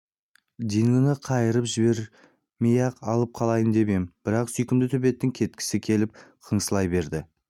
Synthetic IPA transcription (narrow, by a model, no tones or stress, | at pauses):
d̪iŋlˠənəqʰɑjəɾəpʒɪbe̞ɾ | mijɑqɑlˠəp̚qʰɑlˠɑjənd̪e̞bembɪɾɑqsʏjkʲɪmd̪ɪt̪ʰʏpe̞t̪ːɪŋkʲʰe̞t̪̚kʲɪ̥sɪkʲʰe̞lɪp̚qʰəɴsəlˠɑjbe̞ɾd̪ɪ